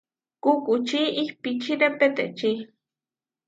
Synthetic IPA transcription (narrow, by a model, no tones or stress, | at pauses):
kukut͡ʃiʔihpit͡ʃiɾepet̪ḛt͡ʃi